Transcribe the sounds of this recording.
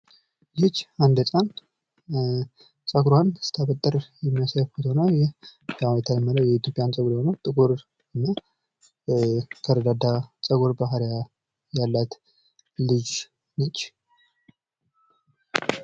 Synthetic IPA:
jɪt͡ʃːand̪ət͡sʼan | t͡ʃʼəɡɾwansɨ̥t̪ʰaβət̪ʼːəɾjɛmːijasafot̪ʰownəwjɛawɛt̪ʰaləmːələwjɛit̪jo̞pʼjant͡ʃʼəɡɾhonəwt̪ʼɨɡoɾ | nːə | t̪ʰəɾəd̪ad̪at͡ʃʼəɡoɾbaɦɾja | jalːat̪ | lɨd͡ʒ | nət͡ʃː

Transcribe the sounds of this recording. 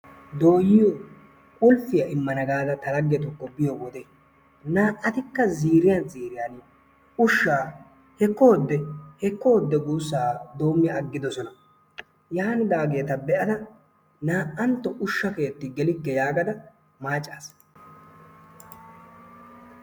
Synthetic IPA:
d̪o̞ːjɪjo | kʼʊlfɪjɐɪmːɐnɐɡaːd̪ɐt̪ɐlɐɡːɛt̪ʊkːɔbɪjɔbɔd̪e | naːʔːɐt̪ɪkːɐziːɾɪjɐnziːɾɪjan | ʊʃːaː | hɛkːoːd̪ːɛhɛkːɔɔd̪ːɛɡuːsːaːd̪o̞ːmːɪɐɡːɪd̪ɔsɔnɐ | jaːnɪd̪aːɡe̞ːt̪ɐbɛʔɐd̪ɐ | naːʔɐnt̪ːɔʔʊʃːɐke̞ːt̪ːɪɡɛlɪkːɛjaːɡɐd̪ɐ | maːt͡ʃʼːaːs

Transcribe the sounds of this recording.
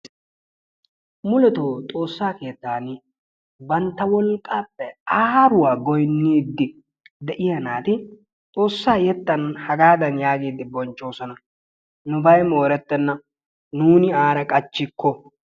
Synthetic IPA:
mʊlɛt̪oːt̪ʼo̞ːsːaːke̞ːt̪ːaːnɪ | bɐnt̪ːɐwɔlkʼːaːpːɛaːɾʊwaːɡɔjnːiːd̪ːɪ | d̪ɛʔɪjɐnaːt̪ɪ | t̪ʼo̞ːsːaːjɛt̪ːɐnhɐɡaːd̪ɐnjaːɡiːd̪ɪbɔnt͡ʃʼːo̞ːsɔnɐ | nʊbɐjmo̞ːɾɛt̪ːɛnːɐ | nuːnɪaːɾɐkʼɐt͡ʃːɪkːɔ

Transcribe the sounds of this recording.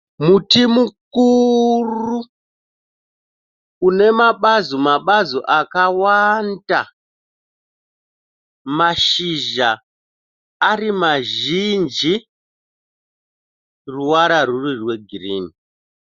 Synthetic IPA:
mutimukuru | ne̞maɓazomaɓazoʔakawanda | maʃiʒa | rimaʒind͡ʒi | ruwaɾarurirwe̞ɡʱiriːni

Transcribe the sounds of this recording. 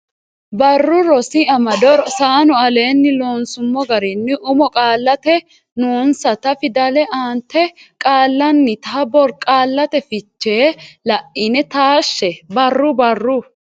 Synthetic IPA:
bɐrːʊɾɔsɪɐmɐd̪ɔɾɔsaːnʊɐle̞ːnːɪloːnsʊmːɔɡɐɾɪnːɪʔʊmɔkʼaːlːɐt̪ɛ | noːnsɐt̪ɐfɪd̪ɐlɛʔaːnt̪ːɛkʼaːlːɐnːɪt̪ɐbɔɾkʼaːlːɐt̪ɛfɪt͡ʃːeːlɐʔʔɪnɛt̪aːʃːɛbɐrːʊbɐrːʊ

